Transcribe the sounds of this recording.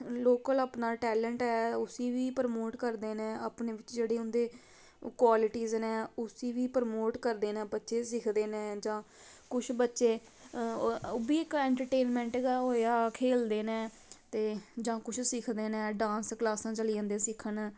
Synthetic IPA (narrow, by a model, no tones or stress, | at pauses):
loːkəlaːpnaːʈɛːlə̃ɳʈɛːʊsiːʋiːpəɾmoːʈkəɾd̪eːnẽːaːpneːʋɪt͡ʃd͡ʒeːɽeːʊnd̪eː | kwaːlɪʈiːznɛ̃ːʊsiːʋiːpəɾmoːʈkəɾd̪eːnɛ̃ːbətːʃeːsɪkʰd̪eːnɛ̃ːd͡ʒãː | kʊt͡ʃʰbətːʃeː | oːbiːɪkɛ̃ːɳʈəɾʈeːnmɛ̃ːɳʈːɡaɦoːjaːkʰeːld̪eːnɛ̃ː | t̪eːd͡ʒãːkʊt͡ʃʰsɪkʰd̪eːnɛ̃ːɖãːnsklaːsãːt͡ʃəlijãːnd̪ẽːsɪkʰənː